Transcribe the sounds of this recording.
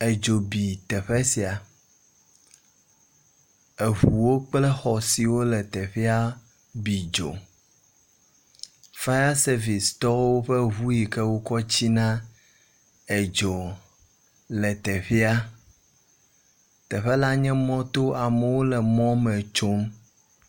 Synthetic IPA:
e˨d͡ʒo˨bi˨t̪ɛ˨ɸɛ˦si˨a˨ | e˨ɦu˨wo˦k͡plɛ˦xɔ˨si˨wo˦lɛ˨t̪ɛ˨ɸi˦a˦ | bi˨d͡ʒo̰˨ | fa˦a˦se˦vi˨st̪ɔ˦wo˦ɸɛ˦ɦu˦ji˨kɛ˦wo˦kɔ˦t͡ɕi˦nã˦ | e˨d͡ʒo˨ | lɛ˨t̪ɛ˨ɸi˦a˦ | t̪ɛ˨ɸɛ˦la˦ɲɛ̃˦mɔ̃˦t̪o˦a˨mɛ˨wo˦lɛ˨mɔ̃˦mɛ̃˨t͡ʃo˦m

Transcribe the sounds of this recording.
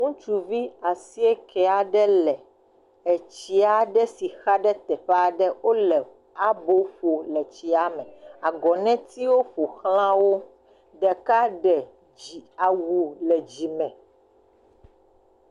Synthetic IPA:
ŋũ˦t͡ʃu˨vi˦a˨si˦ɛ˦kʰɛ˦a˨ɖɛ˦lɛ˨ | ɛ˨t͡ɕi˦a˨ɖɛ˦si˨xa˦ɖɛ˦t̪ɛ˨ɸɛ˦a˨ɖɛ˦wo˦lɛ˨ | a˦bo˦ɸo˨lɛ˨t͡ɕi˨a˦mɛ̃˨a˨ɡɔ˨nɛ̃˦t̪i˦wo˦ɸo˨xlã˦wo˦ | ɖɛ˨ka˦ɖɛ˨ | i˨a˨wu˨lɛ˨d͡ʑi˨mɛ̃˨

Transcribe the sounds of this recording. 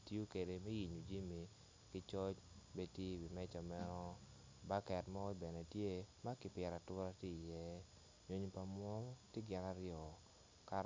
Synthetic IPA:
tjo˦ke˨de˨mɛ˦ji˨ɲu˨d͡ʒi˦mi˨ | kɪ˦t͡ʃɔ˦t͡ʃbe˦tje˦˨bi˨mɛ˦t͡ʃɔ˨mɛ˦nɔ˦ | ba˦kɛ˨tmɔ˦i˦bɛ˨ne˨tje˦ma˦kɪ˨pjɛ˨ɾa˨tʊ˦ɾa˦tje˦i˨jɛ˦ | ɲo˨ɲ˨pa˨mwɔ˦te˦ɡɪ˦na˦ɾjɔ˨ | ka˦

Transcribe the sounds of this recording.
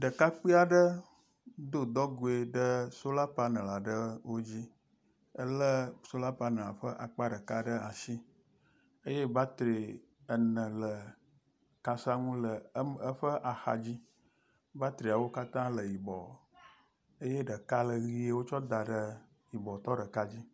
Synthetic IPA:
ɖə˨ka˦k͡pi˦a˨ɖə˦ | d̪o˦d̪ɔ˦ɡo˨e˨ɖə˦so˦la˦pa˦nə̃˨la˨ɖə˦wo˦d͡ʑi˦ | ə˦lə˦so˦la˦pa˨nə̃˨la̰˨ɸə˦ʔa˨k͡pa˦ɖə˨ka˦ɖə˦a˨si˦ | ə˦je˦ba˦t̪ɾe˨ | ə˨nə̃˨lə˨ | ka˨sa˦ŋũ˦lə˨˦ə˦ɸə˦ʔa˨xa̰˨d͡ʑi˦ | ba˦t̪ɾi˨a˨wo˦ka˦t̪ã˦lə˨ji˨bɔ˨ | ə˦je˦ɖə˨ka˦lə˨ɣi˨˦e˦wo˦t͡ʃɔ˦d̪a˨ɖə˦ | ji˨bɔ˨t̪ɔ˦ɖə˨ka˦d͡ʑi˦

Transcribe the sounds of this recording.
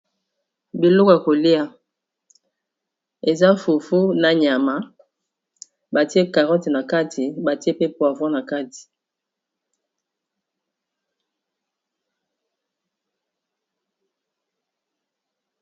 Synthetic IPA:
bi˨lɔ˦ko˨ja˨ko˨li˦a˦ | e˨za˦fu˨fu˦na˨ɲa˨ma˦ | ba˨ti˦e˦ka˨ʁɔ˦ti˨na˨ka˦tʰi˨ba˨ti˦e˦pe˦po˦˨a˨vwã˦na˨ka˦ti̥˨

